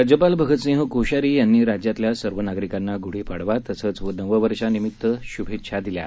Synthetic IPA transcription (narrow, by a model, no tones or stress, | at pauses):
ɾad͡ʑəpalbʱəɡʱəsẽɦəkoɕaɾiːjanːiːɾad͡ʑjat̪ljasəɾʋənaɡɾikanːaɡuɽ̤iːpaɽʋat̪əsət͡sʋənəʋəʋəɾʂanimit̪ːəɕubʱet̪ːʂʰad̪ilja̰